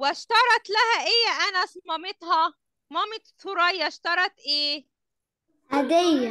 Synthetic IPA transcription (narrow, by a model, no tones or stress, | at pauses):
wɪʃt̪ɑɾˤɑt̪lahæʔɪjːaʔanasmɑmɪt̪hɑ | mɑmɪt̪sʊɾɑjːaʃt̪ɑɾˤɑt̪ʔeː | ʔæd̪æj